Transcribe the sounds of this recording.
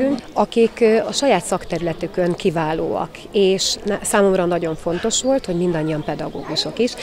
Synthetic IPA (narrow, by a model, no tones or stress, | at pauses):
yŋkɒkikɒʃɒjaːt̪sɒkt̪ɛɾylɛt̪ykøŋkivaːlo̰ːɒ̰k | eːʃnɛsaːmo̞mrɒnɒɟo̞ɱfo̞n̪t̪o̞ʃʋo̞lt̪ho̞ɟmind̪ɒɲːijɒmpɛd̪ɒɡo̰ːɡuʃo̞kiʃ